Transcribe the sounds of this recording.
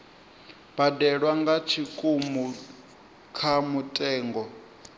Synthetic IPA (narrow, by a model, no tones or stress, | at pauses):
b̥adɛɺwaŋɡat͡ʃʰikʼumu | kʰamutʼɛːŋɡɔ